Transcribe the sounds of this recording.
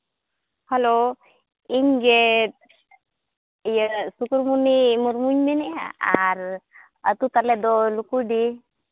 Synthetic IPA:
həlo | iŋɡet̪̚ | jəsukuɾmunimuɾmuɲminia̰aɾ | ət̪ut̪aled̪olukuɖi

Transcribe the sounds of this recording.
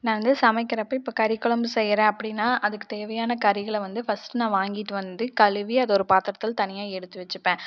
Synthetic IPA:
nãːʋɐnd̪ɯsɐmɐɪkːɪɾɐpːoːɪpːoːkɐɾɪkːɔɭɐmbɯsɛjːɾẽːɐpːɐɽinːaːʔɐðɯkːɯ̥t̪eːʋɐjaːnɐkɐɾɪɣɐɭʋɐnd̪ɯfɐsʈɯnãːʋaːŋɡɪʈːɯʋɐnd̪ɯkɐlɯʋiɐðɔɾɯpaːt̪ɪɾɐt̪ːɪlt̪ɐnɪjaːɛɽɯt̪ːɯʋɛt͡ʃːɯpːẽː

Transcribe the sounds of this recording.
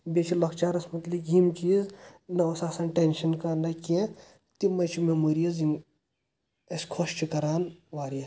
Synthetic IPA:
bʲet͡ʃʰilɐkt͡ʃaːɾɐsmɐt̪likimkiznɐɐsaːsaːnʈenʃɐnkɐnɐkʲe | t̪imɐt͡ʃʰimemuːɾijɐzim | ɐsʲkʰoʃt͡ʃʰikɐɾaːnʋaːɾijɐ

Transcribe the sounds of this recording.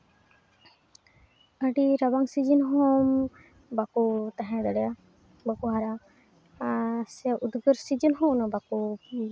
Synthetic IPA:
əɖiɾabaŋsid͡ʒinɦɔm | bakut̪aɦɛ̃d̪ɛɽɛja | bakuɦaɾa | sɛʔud̪ɡəɾsid͡ʒənɦɔ̃nɔbaku

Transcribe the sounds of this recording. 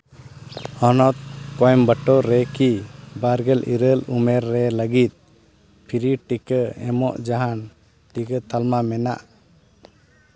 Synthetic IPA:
ɔnɔt̪̚kɔjmbəʈɔɾɛkibaɾɡɛlʔiɾəlumɛɾːɛləɡit̪̚ˀ | pʰiɾiʈikəɛmɔ̰ʔd͡ʒaɦan | ʈikət̪almamɛna̰ʔ

